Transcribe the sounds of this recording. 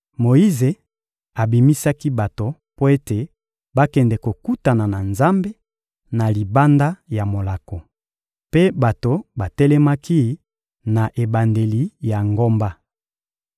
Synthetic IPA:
mo˨i˦ze˨ | a˨bi˨mi˦sa˦ki˦ba˨to˨ | po˦e˦te˨ | ba˦kɛ˨ndɛ˨ko˨ku˦ta˨na˨na˨nza˦mbe˦ | na˨li˨ba˦nda˦ja˨mo˨la˨ko˨ | pe˦ba˨to˨ba˨tɛ˦lɛ˦ma˦ki˦ | na˨ʔe˨ba˨nde˨li˨ja˨ŋɡo˦mba˦

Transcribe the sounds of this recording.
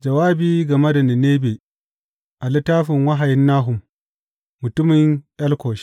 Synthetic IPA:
d͡ʒɐ˨waː˦biː˦ɡɐ˨mɐ˦dɐ˨nɪ˨neː˦beː˨ | ʔa˨lɪ˦tːaː˦ɸɪ˨ŋwɐ˦ɦa˨jɪ˦nːaː˦ɦʊ˨mː | ʊ˨tʊ˦mɪ˨ŋʔɐ˦lkʷoː˨ʃ

